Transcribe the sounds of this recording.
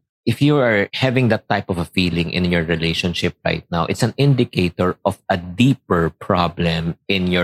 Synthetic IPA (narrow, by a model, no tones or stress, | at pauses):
ʔɪfjuaɹhɛvɪ̃ŋd̪ɐt̪ːaɪpɔvɐfiːlɪ̃ŋʔɪ̰̃njɔɹɹɪleʃɔ̃nʃɪp̚ɹa̰ɪt̪̚nawʔɪ̰t̪sɐ̃nɪ̃nd̪ɪkʰeɪt̪ɔɹʔɔvɐd̪ipɛɹpʰɹablɛ̃mʔɪ̃njɔ